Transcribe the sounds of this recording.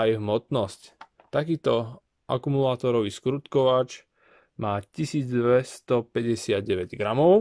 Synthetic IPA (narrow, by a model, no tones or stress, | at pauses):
ajɦmɔt̪nɔsc | t̪akiːt̪ɔ | ʔa̰kumulaːt̪ɔɾɔʋiːskɾut̪kɔʋat͡ʃ | maːcisiːd͡zd̪ʋɛst̪ɔpɛɟɛsɪad̪ɟɛʋɛɟɡɾamɔʊ